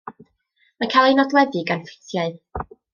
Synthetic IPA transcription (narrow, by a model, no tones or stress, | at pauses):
makʰalˠejnɔɡlˠɛðɨɡanfɪ̥tʰjaɨð